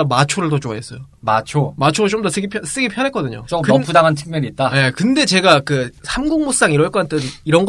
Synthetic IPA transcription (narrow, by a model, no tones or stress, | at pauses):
mat͡ɕʰoɾɯɭtot͡ɕoaɦes͈ʌjo | mat͡ɕʰomat͡ɕʰoat͡ɕomdosʰeɡepʰjʌs͈eɡepʰjʌnɦaek͈ʌdɯɲo̰t͡ɕokɯpʰudaŋɦantʰɯ̥k̚mjʌniːt̚t͈aje̞kɯnde̞t͡ɕe̞ɡakɯsʰamɡuŋmos͈aŋiɾwʌɭk͈ʌkat͈ʰeniɾʌnɡ